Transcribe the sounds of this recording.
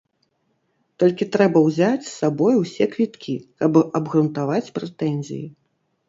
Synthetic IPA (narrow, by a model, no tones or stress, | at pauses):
t̪ɔlʲkʲit̪ɾɛbɐwzʲat͡sʲsːabɔjuwsʲɛkvʲit̪kʲikɐbɐbɣɾunt̪avat͡sʲpɾɛt̪ɛnʲzʲḭji